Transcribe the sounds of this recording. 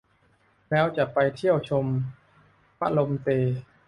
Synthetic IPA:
lɛː˦˥wt͡ɕa˨˩ʔpa˧jt̪ʰi˥˩əwt͡ɕʰo˧m | pa̰˦˥lo˧mt̪eː˧

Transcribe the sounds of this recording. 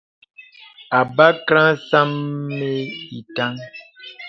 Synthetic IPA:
a˨ba˦kɾã˦sa˦mːe˦i˨ta˦ŋ

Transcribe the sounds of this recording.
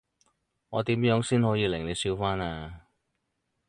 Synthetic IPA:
ŋɔ̰ː˨˧t̪iː˨˥mjœː˨˥ŋsiː˥nhɔː˨˥jiː˨˧lɪ˨˩ŋle˨˧jsiː˧wfaː˥naː˧

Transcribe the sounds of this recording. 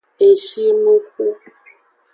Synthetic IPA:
e˨ʃi˦mu˦xu˦

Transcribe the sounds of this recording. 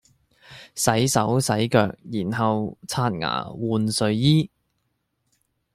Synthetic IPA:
sɐ˨˥jsɐ˨˥wsɐ˨˥jkœː˧k̚jiː˨˩nɦɐ˨wt͡sʰaː˧t̚ŋa̰ː˨˩wuː˨˧nsɵ˨˧ɥjiː˥

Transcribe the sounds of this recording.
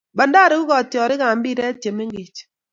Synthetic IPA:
ba˨nda˦ɾe˦u˦kɔ˨tjɔ˨ɾɪ˦ka˨m̩˦bi˦ɾɛ˦te˨me˦ŋɡi˨t͡ʃ

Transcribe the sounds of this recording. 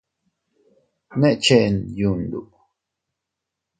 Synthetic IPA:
nẽ˦ʔt͡ʃe˦ʔnju˨nd̪ṵ˨ʔ

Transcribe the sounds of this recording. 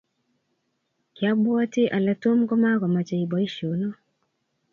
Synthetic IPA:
kja˦ɓu˦a˦ti˦ʔa˨la˨tu˦m̩˦ɡɔ˦ma˦ka˨ma˨t͡ʃai˨ɓai˦ʃu˨nɔ˦

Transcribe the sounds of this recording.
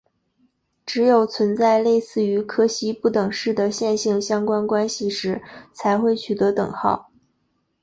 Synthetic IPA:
ʈ͡ʂɻ̩˧˥jo˨˩ʊt͡sʰwə˧˥nt͡sa˥˧ɪle˥˧ɪsɹ̩˥˩y˧˥kʰɤ˥ɕi˧˥pu˥˩t̪ɤ˨˩ŋʂɻ̩˥˩d̪ə˩ɕjɛ˥˧nɕi˥˩ŋɕjɑ˥ŋkwa˥nkwa˥nɕi˨˩ʂɻ̩˧˥t͡sʰa˧˥ɪxwe˥˩ɪt͡ɕʰy˨˩t̪ɤ˧˥t̪ɤ˨˩ŋxɑ˥˩ʊ

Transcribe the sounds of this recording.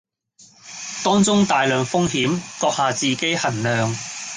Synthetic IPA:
t̪ɔː˥ŋt͡sʊ˥ŋt̪aː˨jlœː˨ŋfʊ˥ŋɦiː˨˥mt̪ɔː˧k̚haː˨˧t͡siː˨ke˥jhɐ˨˩nlœː˨ŋ

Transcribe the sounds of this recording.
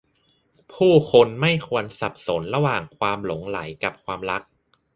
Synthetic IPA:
pʰuː˥˩kʰo˧nma˥˩jkʰu˧ənsa˨˩p̚so˩˦nɾa˧waː˨˩ŋkʰwaː˧mlo˩˦ŋla˩˦jka˨˩p̚kʰwaː˧mɾa˦˥k̚

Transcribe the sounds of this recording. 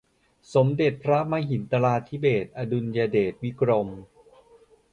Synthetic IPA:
so˩˦mde˨˩t̪̚pʰɾa˦˥ma˦˧˥ɦi˨˩˦nt̪a˧laː˧t̪ʰːi˦˥beː˨˩t̪̚ʔa˧du˧njaː˧deː˨˩t̪̚wi˦˥kʰɾo˧m

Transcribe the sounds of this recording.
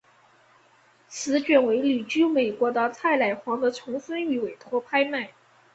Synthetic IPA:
t͡sʰɹ̩˧˥t͡ɕɥɛ˨˩nwe˧˥ɪly˨˩t͡ɕy˥me˨˩ɪkwɔ˧˥d̪ə˧t͡sʰa˥˩ɪla˨˩ɪxwɑ˧˥ŋd̪ə˧˥t͡sʰʊ˧˥ŋsə˥ny˧˥˩we˨˩ɪt̪ʰwɔ˥pʰa˥ɪma˥˩ɪ

